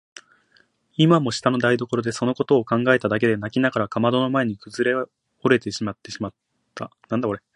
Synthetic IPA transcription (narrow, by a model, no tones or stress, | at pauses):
imamo̞ɕi̥t̪ano̞d̪aid̪o̞ko̞ɾo̞d̪e̞so̞no̞ko̞t̪o̞ːkãŋɡae̞t̪ad̪ak̬e̞d̪e̞nakʲinaɡaɾakamad̪o̞no̞mae̞ɲ̟ikɯ̟zɨɾe̞ | o̞ɾe̞t̪e̞ɕimat̪ːe̞ɕimat̪ʰː | anãnd̪akoɾe